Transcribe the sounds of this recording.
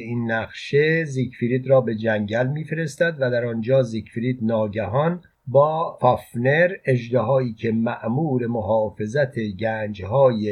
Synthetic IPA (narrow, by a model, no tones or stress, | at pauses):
inːæʁʃe̞zikfiɾiːd̪ɾɒːbe̞d͡ʒæŋɟælmiːfe̞ɾe̞st̪æd̪væd̪æɾɒnd͡ʒɒːzikfiɾiːd̪nɒːɟæɦɒn | bɒːfɒfne̞ɾed͡ʒd̪eɦɒːiːcʰe̞mæʔmuːɾe̞moɦɒːfe̞zæt̪ʰeɟæːnd͡ʒhɒːje